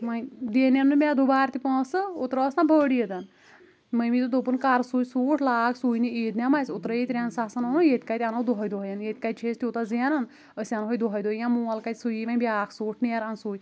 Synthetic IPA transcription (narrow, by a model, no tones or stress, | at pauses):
majd̪eːnjɐnːumʲãd̪ubaːɾt̪ipɔ̃ːsɨut̪ɾɔːsnãbʱəːɽijəd̪ɐn | məjmit̪ud̪opunkaɾsuːjsuːʈʰlaːkʰsuːjnieːt̪nʲamajsut̪ɾəjit̪ɾʲansasɐnonujet̪ʲkajt̪ʲanod̪oɦɔjd̪oɦjɐnjet̪̚ʲkat̪̚t͡ʃʰeːst̪iut̪azinɐn | əsʲanɦojd̪oɦɔjd̪oːjãmuːɐlkajt̪ʲsujiʋanbʲaːkʰsuːʈʰniɐɾansuːj